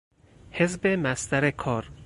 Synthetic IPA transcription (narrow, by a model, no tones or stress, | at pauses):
hezbemæst̪æɾekʰɒːɾ